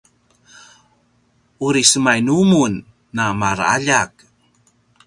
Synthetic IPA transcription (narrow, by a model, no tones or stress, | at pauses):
uɾisəmajnumunː | amaɾa̰ʎak̚